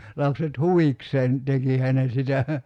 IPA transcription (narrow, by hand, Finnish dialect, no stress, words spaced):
lɑpset huʋikseːn tekihæ ne sitæ